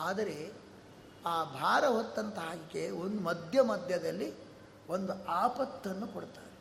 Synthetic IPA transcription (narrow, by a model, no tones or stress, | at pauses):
aːd̪ɐɾe̞ | aːbʱaːɾɐɦot̪ːɐnt̪ɐɦaːɡikeo̞nd̪umɐd̪ʱjɐmɐd̪ʱjɐd̪ɐlːi | ond̪uaːpɐt̪ːɐnːukoɽt̪aːɾe